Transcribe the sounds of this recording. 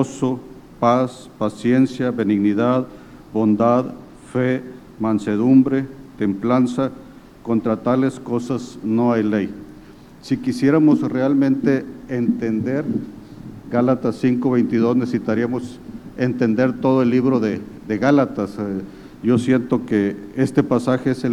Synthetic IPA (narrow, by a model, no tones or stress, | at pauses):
oso | pas | pasje̞nsjaβe̞niɣniðað | bo̞nd̪að | fe | manse̞ð̞umbɾet̪e̞mplansa | ko̞nt̪ɾat̪ale̞sko̞sasno̞ajlej | sikisje̞ɾamosrealmẽ̞nt̪e̞ːnt̪e̞nd̪e̞ɾ | ɡalat̪asːiŋko̞βe̞jnt̪ið̞o̞snesesit̪aɾiamo̞s | ent̪e̞nd̪e̞ɾt̪o̞ðoelːiβɾo̞ðe | ðe̞ɣalat̪as | ʝo̞sje̞nt̪o̞keest̪e̞pasaxeese